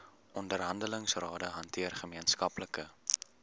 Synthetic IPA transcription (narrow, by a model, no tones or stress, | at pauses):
ʔɔndərɦɐndələŋsrɑːdəɦɐntʰiərχəmiənskɐpləkə